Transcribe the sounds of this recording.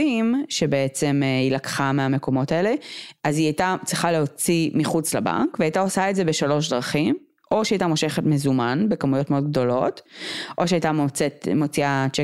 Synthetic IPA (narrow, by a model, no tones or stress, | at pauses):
imʃe̞be̞et͡se̞milakχameame̞ko̞mo̞taele̞ʔaziajtat͡sʁiχaleo̞t͡simiχut͡slaba̰ŋkveajtao̞saetze̞be̞ʃalo̞ʃ̬dʁaχim | ʔo̞ʃeajtamo̞ʃe̞χetmezumanbekamujo̞tmeod̪ɡ̚do̞lo̞tʔo̞ʃeajtamot͡setmo̞t͡siat͡ʃe